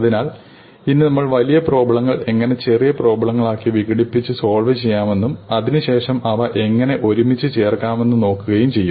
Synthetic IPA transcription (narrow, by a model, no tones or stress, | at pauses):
ɐðinaːɭ | inːɨnɐmːɐɭʋɐlijɐpro̞ːbɐɭɐŋːɐɭe̞ŋːɐne̞t͡ɕe̞rijɐpro̞ːbɐɭɐŋːɐɭaːkːiʋiɣiɽipːit͡ɕːɨso̞ːɭʋɐt͡ɕe̞jːaːme̞nːumɐðinɨɕe̞ːʂɐmɐʋɐʔe̞ŋːɐne̞ʔo̞ɾumit͡ɕːɨt͡ɕe̞ːrkːaːme̞nːuno̞ːkːuɣɐjumt͡ɕe̞jːu